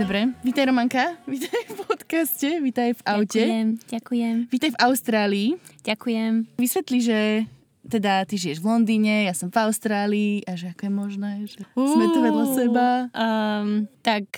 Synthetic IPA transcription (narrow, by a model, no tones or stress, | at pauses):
d̪ɔbɾɛʋiːt̪ajɾɔmaŋkaʋit̪ajfpɔt̪kascɛʋit̪ajvʔaʊcɛmɟakujɛmʋiːt̪ajvaʊst̪ɾaːliːɟ̥akujɛmʋisʋɛt̪liʒɛ | t̪ɛd̪at̪iʒijɛʒʋlɔnd̪iːɲɛjasɔmvaʊst̪ɾaːliːʔaʒɛakɔjɛmɔʒnɛʒɛumɛt̪ɔʋalasɛba | t̪ak